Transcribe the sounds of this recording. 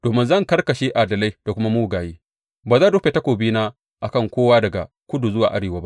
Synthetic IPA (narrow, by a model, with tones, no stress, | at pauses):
d̥oː˨mɪ˦nzɐ˦˨ŋkɐ˦rkɐ˨ʃeː˦ʔa˨dɐ˨la˦jd̥a˨kʷʊ˦ma˦muː˦˨ɡaː˨jiː˦ | baː˨zaː˦˨doː˦ɸʲe˨ta˦kʷoː˨biː˦naː˦ | ʔa˨kɐ˦˨ŋkʷoː˦waː˦dɐ˨ɡa̰˨ | kʷʊ˦du˨zʊ˦wa̰ː˨ʔa˦ɽeː˨wa˦ba˦ʔ